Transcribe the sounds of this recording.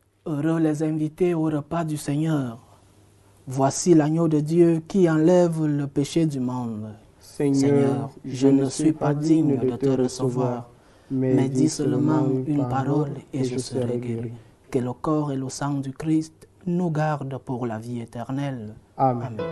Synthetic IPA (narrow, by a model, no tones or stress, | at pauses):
øʁølɛzɛ̃vit̪eoʁəpad̪ysɛɲœːʁ | vwasilaɲod̪əd̪jøkiɑ̃lɛvləpeʃed̪ymɔ̃d̪ | sœʁʒənəsɥipad̪iɲdd̪ət̪əʁəsəvwaʁ | mɛd̪isəlmɑ̃ynpaʁɔleʒəsəʁeɡel | kələkɔʁeləsɑ̃d̪ykʁist̪nuɡaʁd̪puʁla̰viet̪ɛʁnɛlamɛ̃